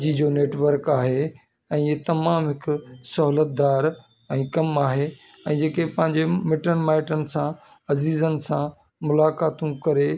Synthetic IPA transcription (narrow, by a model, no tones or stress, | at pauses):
id͡ʑoːneːʈʋəɾkaːɦe | ɛ̃ːit̪ɐmaːmɦɪkʊsɐɦuːlət̪̚d̪aːɾ | ɛ̃ːkɐmaːɦe | ɛ̃ːd͡ʑeːkepɐ̃ɦɪ̃ɲd͡ʑemɪʈənmaːɪʈənɪ̆sã | ɐziːzənɪ̆sã | mʊlaːkaːt̪ũkɐɾe